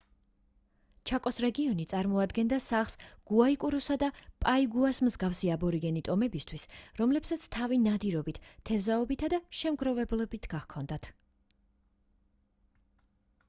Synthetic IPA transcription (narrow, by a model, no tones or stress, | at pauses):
t͡ʃʰakʼɔsɾɛɡiɔnit̪sʼaɾmɔad̪ɡɛnd̪asaχsɡ̥uaikʼuɾɔsad̪apʼaiɡuasmzɡafsiabɔɾiɡɛnit̪ʼɔmɛbist̪ʰwisɾɔmlɛpsat̪sʰt̪ʰavinad̪iɾɔbit̪ʰt̪ʰːɛvzaɔbit̪ʰad̪aʃɛmɡɾɔvɛblˠɔbit̪ʰɡ̥aχkʰɔnd̪at̪ʰ